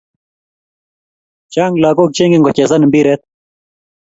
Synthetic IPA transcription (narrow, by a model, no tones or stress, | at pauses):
t͡ɕaːŋɡlaːkoːk̚t͡ɕeːŋɡeŋɡot͡ɕeːzɐnmbiːɾet̪̚